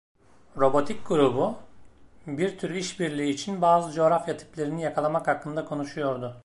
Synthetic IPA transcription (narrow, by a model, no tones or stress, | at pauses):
ɾo̞bo̞t̪ʰik̚ɡuɾubu | biɾt̪ʰyɾiʃbiɾlʲiːt͡ʃʰinbaːzɯd͡ʒe̞oɾafjat̪ʰi̥plʲe̞ɾinijakʰalˠamakhakːɯnd̪akʰo̞nuʃujo̞ɾd̪ʊ